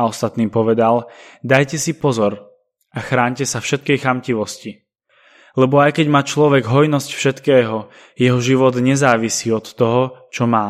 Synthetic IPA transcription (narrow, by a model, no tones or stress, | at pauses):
ɔst̪at̪niːpɔʋɛd̪ald̪ajcɛsipɔzɔɾ | ʔaxɾaːɲcɛsafʃɛt̪kɛjxamciʋɔsci | lɛbɔajkɛɟmaːt͡ʃlɔʋɛɡɦɔjnɔscfʃɛt̪kɛːɦɔ | jɛɦɔʒiʋɔd̪ɲɛzaːʋisiːɔt̪ːɔɦɔt͡ʃɔmaː